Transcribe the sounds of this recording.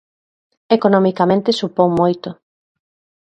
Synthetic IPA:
ekonomikamẽnt̪esupoŋmojt̪ʊ

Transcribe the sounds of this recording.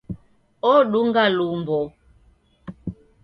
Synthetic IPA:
ɔɗuŋɡalumbɔ

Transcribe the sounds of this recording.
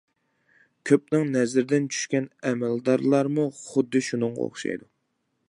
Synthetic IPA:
kʲʰøp̚nɪŋnɛzɾɪd̪ɪnt͡ʃʰy̥ʃkʲɛnɛmɛld̪ɑɾlˠɑɾmuχʊd̪ːɨʃunɨŋʁɑ̰o̰χʃɑ̰jd̪u

